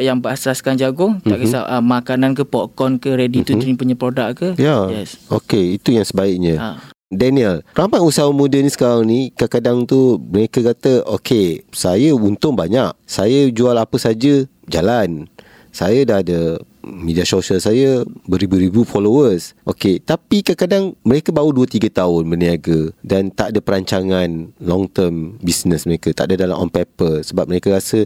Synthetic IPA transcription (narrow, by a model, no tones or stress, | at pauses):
ʔjaŋbəast̪ɾaskand͡ʒaɡʊŋt̪aʔkəaəmakanankəpɔʔkɔnkəɾedit̪ut̪ɲpuɲəpɾodaʔkəjajɛso̰keit̪ujaŋsəbaɪk̚ɲə̃dɛniəlramajusaəmudənisə̥kaɾaŋnikakadaŋt̪uməɾekəkat̪əʔokʰesajəunt̪ʊŋbaɲaʔsajəd͡ʒualapəsad͡ʒə | d͡ʒalan | sajədahdə | midiasoʃəlsajəbəɾibuɾibjufɔlowəsʔoket̪apikakadaŋməɾekəbauduət̪iɡət̪aʊnbəniaɡədant̪aʔadəpəɾaɲt͡ʃaŋãnlɔŋt̪əmbisnəsməɾekət̪a̰ʔadadala̰ɔ̰npepəsəbap̚məɾekəɾasə